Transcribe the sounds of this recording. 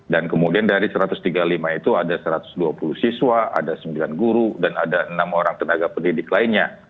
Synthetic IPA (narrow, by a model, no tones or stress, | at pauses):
dankəmudiandaɾisəɾat̪ʊst̪iɡalimait̪uadasəɾat̪ʊ̥sduapuluhsiswaa̰dasəmbilanɡuɾudanadaənamoɾaŋt̪ənaɡapəndidɪklainɲa